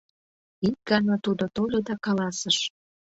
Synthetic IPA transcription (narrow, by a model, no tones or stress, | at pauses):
it̚ɡɑnɑt̪ud̪ot̪olʲod̪ɑkɑlɑsəʃ